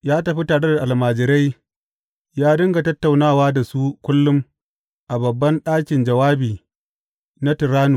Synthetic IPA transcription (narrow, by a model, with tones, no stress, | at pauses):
jaː˦tɐ˨ɸi˦taː˨ɽe˦da˨ʔa˨lmaː˨d͡ʒɪ˨ɾa˦j | jaː˦dɐ˦ŋɡa˨tɐ˦tːa˨wnaː˦˨waː˦da˨su˦kʷʊ˦lːʊ˦m | ʔa˨bɐ˨bːɐ˦nɗaː˦kʲɪ˨nd͡ʒɐ˨waː˦biː˨ | na˦tɪ˨ɾaː˦nu˨